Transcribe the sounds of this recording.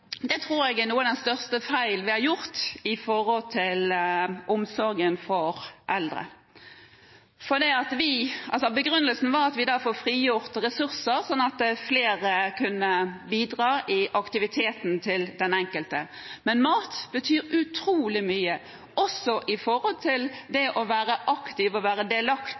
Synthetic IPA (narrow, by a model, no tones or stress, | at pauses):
d̪ɛt̪ʰɾuːɾɛɡɛnuːəd̪ɛnst̪œʁst̪əfæɪlʋɪhɑɾjʊɾt̪ɪfɔɾɔlt̪ʰɪlʔɔmsɔɾɡənfɔɾʔɛld̪ɾə̰ | fɔd̪iːɑt̪ʋɪɑ̰lsɔbəɡɾʉnːəlsn̩ʋɑɾɑt̪ʋɪd̪ɑːfoːfɾiːjʊʁt̪ʁɛsʉɾsəɾsɔnːɑt̪̚d̪ɛfleːɾəkʰʉnːəbiːd̪ʁɑːʔɪʔɑkt̪ɪʋɪt̪ʰeːt̪n̩t̪ʰɪld̪ɛnɛŋkəlt̪əmɛnmɑːt̪b̥ət̪ʰyːɾʉt̪ʰɾuːlɪmyːə | ʔɔsɔʔɪfɔɾhɔlt̪ʰɪld̪ɛʔɔʋæːɾəʔɑkt̪ɪʋɔʋæːɾəd̪eːlɑkt̪